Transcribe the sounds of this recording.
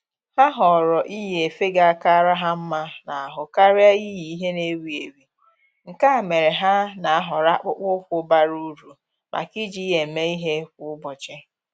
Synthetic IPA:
ha˦ɦɔ˨ɾɔ˨ʔi˦je˨fe˦ɡa˨a˨ka˦a˦ɾa˦ɦa˦m̩˦ma˦na˨a˨ɦʊ˨ka˦ɾɪ˦a˦i˦ji˨i˦ɦe˦ne˦wi˨e˨wi˨ | ŋ̩˨ka˦a˨me˨ɾe˨ɦa˦na˨a˦ɦɔ˨ɾa˦k͡pʊ˦k͡pʊ˦kʷʊ˦ba˦ɾu˦ɾu˨ | mʔa̰˨ki˦d͡ʒi˦je˨me˦i˦ɦe˦kʷʊ˨ʊ˦bɔ˨t͡ʃɪ˦

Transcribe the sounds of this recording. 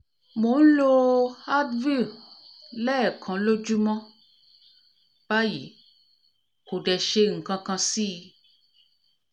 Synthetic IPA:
mo˨n̩˦lo˧a˦dvi˦˨lɛ˦˨kʰã˨˦lo˦d͡ʒu˦mɔ̃˦ | b̥a˦jḭ˨˦ | ko˨dɛ˧ʃe˧ŋ̩˨kã˧kã˧si˦˧

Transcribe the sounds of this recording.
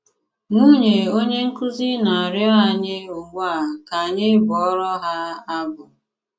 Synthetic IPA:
ŋu˦ɲe˨o˦ɲe˦ŋ̩˦kʊ˦zi˦na˨a˨ɾja˦a˦ɲɪ˦ʊ˨ɡ͡bʷa˦˨ka˨ɲɪ˦bʊ˨ɔ˦ɾɔ˦ɦa˦a˦bʊ˨

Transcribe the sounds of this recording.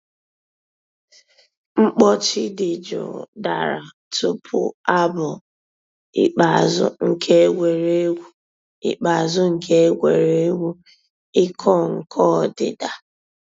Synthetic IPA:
ŋ͡m̩˦k͡pɔ˦t͡ʃɪ˦dɪ˨d͡ʒʊ̰˨da˨ɾa̰˨ | tʊ˦pʰʊ̰˨a˦bʊ˨ | ɪ̰˦˨k͡pa˨a˨zʊ̰˦ŋ̩˨kʰe˦e˦ɡʷe˨ɾe˦ɡʷu˦ | ḭ˨k͡pa˨a˨zʊ˦ŋ̩˨kʰe˦e˦ɡʷe˨ɾe˦e˦ɡʷu˦ | ɪ˦kʰɔ˦˨ŋ̩˨kʰɔ˦˨dɪ̰˨da˨

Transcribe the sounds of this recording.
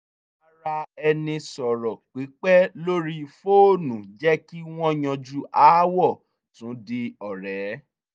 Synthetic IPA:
a˧˨ɾa˧ɛ˧nĩ˧sɔ˨ɾɔ˨k͡pi˨˦k͡pɛ˦lo˦ɾi˦fo˦˨nũ˨d͡ʒɛ˦ki˦w̃ɔ̃˦j̃ɔ̃˧d͡ʒu˦ʔaː˨˦wɔ˦˨ | tũ˨˦di˧ɔ˨ɾɛ˨˦

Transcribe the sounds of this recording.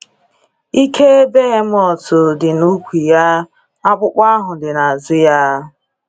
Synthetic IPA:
i˦kʰe˦be˦ɦe˦m̩˦ɔ˨tʊ˨dɪ˨nu˦kʷi˨ja˦ | a˦k͡pʷʊ˦k͡pʷa˦ɦʊ˨dɪ˨na˨zɪ˦ja˦

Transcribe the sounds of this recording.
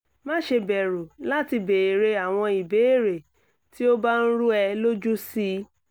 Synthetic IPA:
mã˦ʃe˧bɛ˨ɾu˨la˦ti˧be˨ɾe˧a˨w̃ɔ̃˧i˨be˨˦e˦˨ɾe˨ | ti˦o˦ba˦n̩˦ɾu˦ɛ˧lo˦d͡ʒu˦si˦

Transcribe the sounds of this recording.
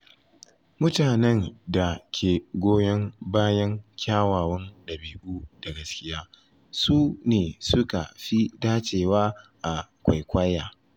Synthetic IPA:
mʊ˦taː˨nɛ˦˨ŋda˨kʲʰeː˨ɡʷoː˦jɐ˦ŋbaː˦jɐ˦ŋkʲaː˦waː˨wɔ˦nɗɐ˨biː˦ʔuː˦d̥a˨ɡɐ˦skʲɪ˦jaː˦ | suː˦neː˨sʊ˦ka̰˨ɸi˦daː˦t͡ʃeː˨waː˦ʔa˨kʷa˨jkʷɐ˦jːaː˨

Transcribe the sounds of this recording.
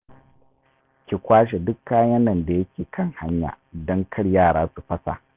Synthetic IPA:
kʲɪ˨kʷaː˦ʃ̬e˨dʊ˦kːaː˦jɐ˦nːɐ˨nda˨jɐ˦kʲeː˨kʰɐ˦˨ŋha˦ɲja̰ː˨dɔ˦ŋkʰɐ˦ɽjaː˦˨ɽaː˦su˨ɸɐ˦sa̰˨

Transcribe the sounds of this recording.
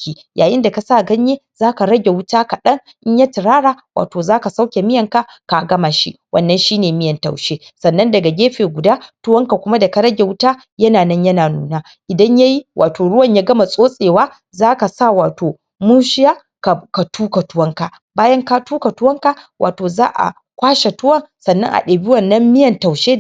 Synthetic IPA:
kʲiː˦ | jʔa̰ː˨jɪ˦nda˨ka˨saː˦˨ɡɐ˦ɲje˦ | z̥aː˦ka˨ɾɐ˦ɡʲe˨wʊ˦taː˦ka˨ɗɐ˦ŋ | ʔɪ˦ɲja˦tɪ˨ɾaː˦ɽaː˨wa̰ː˨toː˨zaː˦ka˨sa˦wkʲe˨mɪ˦jɐ˨ŋka˦ | ka˨ɡɐ˦ma˨ʃḭ˦wʔɐ̰˦nːɐ˨˦nʃiː˦neː˨mɪ˦jɐ˨nta̰˨wʃeː˦sɐ˨nːɐ˦ndɐ˨ɡa˨ɡʲeː˦ɸeː˨ɡʷʊ˨daː˦tʊ˦wɐ˦ŋka˨kʷʊ˦ma˦dɐ˨ka˨ɾɐ˦ɡʲe˨wʊ˦taː˦ | jɐ˦naː˨nɐ˦ɲjɐ˦naː˨nṵː˨naː˦ | ʔɪ˨dɐ˦ɲja˦ji˦wʔaː˨toː˨ɽʊ˦wɐ˨ɲjaː˦ɡɐ˦ma˨sʼoː˦sʼeː˨waː˦ | zaː˦ka˨sa˦˨waː˨toː˨ | muː˦ʃɪ˦jaː˦ | ka˨ka˨tuː˦ka˨tʊ˦wɐ˦ŋka˨ | baː˦jɐ˦ŋka˦tuː˦ka˨tʊ˦wɐ˦ŋka˨wʔa̰ː˨toː˨zaː˦ʔa̰˨ | kʷaː˦ʃe˨tʊ˦wɐ˦˨ŋsɐ˨nːɐ̰˦ŋʔa̰˨ɗeː˨biː˦wɐ˨nːɐ˦mːɪ˦jɐ˨nta˨wʃeː˦

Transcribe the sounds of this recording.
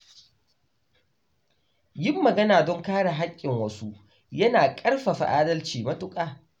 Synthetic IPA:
jɪ˦mːɐ˨ɡɐ˦naː˨dɔ˦ŋkaː˦ɽa˨ɦa˦kʲʼːɪ˨ŋwɐ˦su˦ | jɐ˦naː˨kʼɐ˦rɸa˨ɸa̰˨ʔaː˦dɐ˦lt͡ʃiː˨mɐ˦tʊ˦kʼaː˨

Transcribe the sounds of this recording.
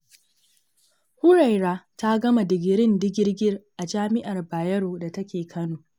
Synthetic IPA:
hʊ˦ɽa˨jɾaː˦ta˦ɡɐ˦ma˨dɪ˨ɡʲɪ˨ɾɪ˦ndɪ˦ɡʲɪ˦rɡʲɪ˦rʔa˨d͡ʒaː˦mɪ˦ʔa˨rbaː˨jɐ˦ɾoː˨da˨tɐ˦kʲeː˨kʰɐ˦noː˨

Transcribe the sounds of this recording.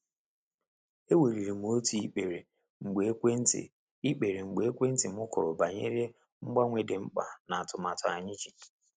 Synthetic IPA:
e˦we˨ɾi˨ɾi˨m˨o˦ti˨i˦k͡pe˨ɾe˨ | ŋ͡m̩˨ɡ͡be˨˦kʷe˦n̩˦tɪ̰˨ | i˦k͡pe˨ɾe˨ŋ͡m̩˨ɡ͡be˨e˦kʷe˦n̩˦tɪ˨m̩˦ʊ˦kʊ˨ɾʊ˨ba˨ɲḛ˦ɾje˦ | ŋ͡m̩˦ɡ͡ba˦ŋʷe˨de˨ŋ͡m̩˦k͡pa̰˨na˨a˨tʊ˨ma˨tʊ˨a˨ɲɪ˦d͡ʒi˨

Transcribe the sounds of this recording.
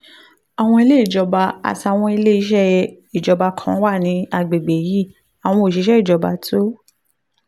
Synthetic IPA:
a˨w̃ɔ̃˧i˧le˦i˦˨d͡ʒɔ˧ba˧a̰˨ta˨˧˨w̃ɔ̃˧i˧le˦i˦ʃ̬ɛ˦ | i˨d͡ʒɔ˨˧ba˧kʰã˨˦wa˦˨nĩ˧a˧˨ɡ͡be˨ɡ͡be˨ji˦˨ | a˨w̃ɔ̃˧o˨ʃ̬i˨˦ʃɛ˦i˦˨d͡ʒɔ˨ba̰˧tʰo˦

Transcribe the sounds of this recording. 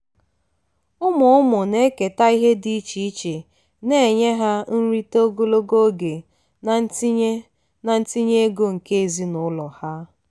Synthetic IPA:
ʊ˦mʊ˨ʊ˦mʊ˨ne˦ke˨ta˦i˦ɦe˦di˦i˦t͡ʃi˨i˦t͡ʃe˨ | ne˦e˨ɲe˦ɦa˦n̩˦ɾi˦to˦ɡo˦lo˦ɡo˦ɡe˨ | na˨n̩˦ti˦ɲe˦ | na˨n̩˦ti˦ɲe˦ɡo˦ŋ̩˨ke˦e˨zi˦nʊ˨˦lɔ˨ha˦

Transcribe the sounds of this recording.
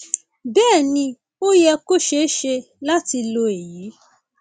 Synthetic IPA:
bɛː˦˨nĩ˧ | o˦jɛ˧ko˦ʃe˦ʃe˧ | la˦ti˧lo˧e˨ji˨˦

